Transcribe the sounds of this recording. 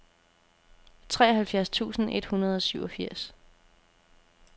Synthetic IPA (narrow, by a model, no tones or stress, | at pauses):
t͡sʰʁɛːɐɦhælfjæɐst͡sʰṵːsn̩ed̥hunɐð̞ˠɒ̽syʊɒfiɐ̰s